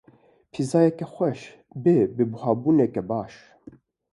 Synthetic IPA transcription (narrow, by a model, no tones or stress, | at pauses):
pʰizɑːjɛkɛxʷɛʃ | bebɨbuhɑːbuːnɛkɛbɑːʃ